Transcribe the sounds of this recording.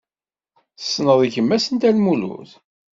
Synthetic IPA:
θsːnəðˤiçəmːæsənt̪ælmulṵθ

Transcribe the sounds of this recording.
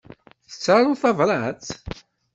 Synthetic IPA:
θə̥t͡sːɾaɾˤuθɑvɾˤɑt͡s

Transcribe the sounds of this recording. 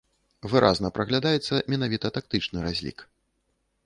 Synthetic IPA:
vɨɾʔa̰znɐpɾɐɣlʲad̪ajɛt̪sːɐmʲɛnavʲit̪ɐt̪ak̚t̪ɨt͡ʂnɨɾazʲlʲḭk

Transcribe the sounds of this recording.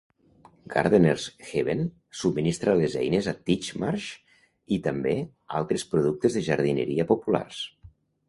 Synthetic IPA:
ɡa̰ɾðeneɾsxeβen | sub̚minist̪ɾalezɛ̰jnezat̪it͡ʃmaɾʃ | it̪ambe | a̰lˠt̪ɾespɾuðuk̚t̪ezðeʒaɾðinḛɾiapopula̰rs

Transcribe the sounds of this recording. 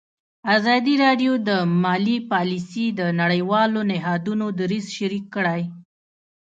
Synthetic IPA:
azɑd̪iɾɑɖjod̪əmɑlipɑlisid̪ənaɽəjwɑlonɪɦɑd̪unod̪aɾizʃaɾikːəɽaj

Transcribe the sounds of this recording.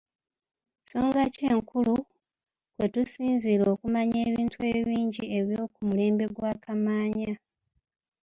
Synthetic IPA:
so̞ːŋɡace̞ːŋkulu | kwe̞tusiːnzilo̞kumaɲeːβiːntue̞βiːɲɟie̞βjoːkumule̞ːmbe̞ɡwaːkamaːɲa

